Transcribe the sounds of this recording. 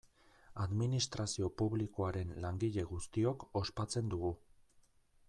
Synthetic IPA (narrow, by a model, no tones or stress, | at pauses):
aðminist̪ɾasio̞puβliko̞aɾe̞nlaŋɡiʎe̞ɣust̪io̞ko̞spat͡se̞nd̪uɣu